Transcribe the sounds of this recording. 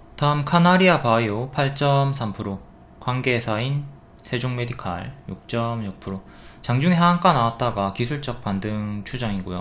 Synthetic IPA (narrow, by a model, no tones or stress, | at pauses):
taɯmkʰanaɾiapaiopʰaɭt͡ɕ͈ʌmsʰampʰɯɾo | kwanɡe̞sʰain | sʰe̞d͡ʑoŋme̞dikʰa̰ɭjuk̚t͡ɕ͈ʌmjuk̚pʰɯɾo | t͡ɕaŋd͡ʑuŋeɦaaŋk͈anawat̚t͈aɡakisʰuɭt͡ɕ͈ʌk̚p͈andɯŋt͡ɕʰud͡ʑʌŋiɡojo